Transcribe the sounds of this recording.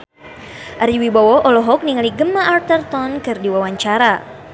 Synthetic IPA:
ʔaɾiwibawɔʔɔlɔɦɔk̚niŋaliɡəmaʔart̪ərt̪ɔnkɨrdiwawaɲt͡ʃaɾa

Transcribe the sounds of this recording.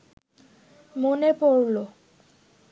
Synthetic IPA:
monepoɹlo

